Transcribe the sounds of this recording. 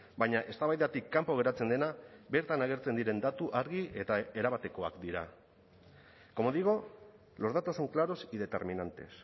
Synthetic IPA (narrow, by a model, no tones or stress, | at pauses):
bajɲaʔe̞st̪aβajðat̪ikːampo̞ɣe̞ɾat͡se̞nd̪e̞nabe̞ɾt̪anaɣ̞e̞ɾt͡se̞nd̪iɾe̞nd̪at̪uʔaɾɣie̞t̪ae̞ɾaβat̪e̞ko̞a̰kd̪iɾa | ko̞mo̞ðiɣo̞ | lo̞zð̞at̪osuŋklaɾo̞sið̞e̞t̪e̞̰ɾminant̪e̞̰s